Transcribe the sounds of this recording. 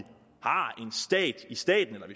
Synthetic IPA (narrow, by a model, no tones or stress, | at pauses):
hɑ̈e̝nsd̥ɛ̰ːd̥isd̥ɛ̰ːd̥n̩elɐʋi